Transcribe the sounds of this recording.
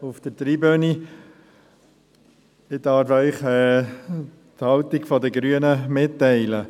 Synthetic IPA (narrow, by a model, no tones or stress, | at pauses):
uft̪əɾt̪ɾiːbøni | ɪd̪ɑɾfœʏχɛ | t̪hɑwt̪iɡfɔd̪əɡɾyənəmɪtːɛɪlə